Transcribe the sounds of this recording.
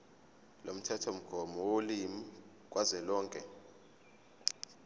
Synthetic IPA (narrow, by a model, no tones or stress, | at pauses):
lom̩tʰɛtʰɔm̩ɡ̥ʱɔmɔwolimi | k̬ʼwʔazɛlɔːŋkʼɛ